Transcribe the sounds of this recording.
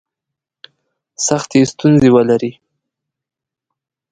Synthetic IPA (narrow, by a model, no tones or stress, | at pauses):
saxt̪est̪unzewəlaɾi